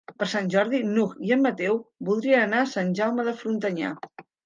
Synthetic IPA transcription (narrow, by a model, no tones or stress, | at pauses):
pəɾsanʲʒɔɾðinukiəmːət̪ɛwbulˠd̪ɾiənənasanʲʒawməðəfɾunt̪əɲa̰